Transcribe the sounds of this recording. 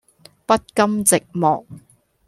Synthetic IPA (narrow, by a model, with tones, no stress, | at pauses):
pɐ˥t̚kɐ˥mt͡sɪ˨k̚mɔː˨˩k̚